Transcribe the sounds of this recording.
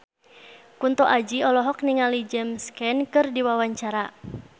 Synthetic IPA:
kunt̪ɔʔad͡ʒiɔlɔɦɔk̚niŋalid͡ʒɛmskɛnkɨrdiwawaɲt͡ʃaɾa

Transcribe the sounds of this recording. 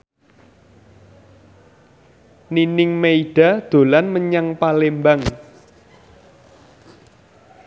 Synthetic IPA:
ninɪŋmeiɖ̥a̤d̪̥o̤lanməɲaŋpalembaŋ

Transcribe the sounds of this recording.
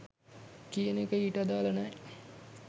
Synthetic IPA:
kijənekəiʈəd̪aːlənɛ

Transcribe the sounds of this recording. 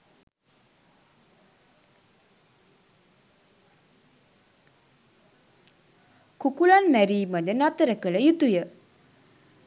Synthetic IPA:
kukulanmæɾiːməd̪ənat̪əɾəkələjut̪ujə

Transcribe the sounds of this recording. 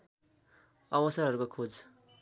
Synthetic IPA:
ʌwʌsʌɾɦʌɾukokʰod͡z

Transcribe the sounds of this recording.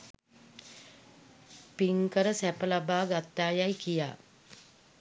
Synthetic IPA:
piŋkəɾəsæpəlabaːɡat̪ːaːjajkija̰ː

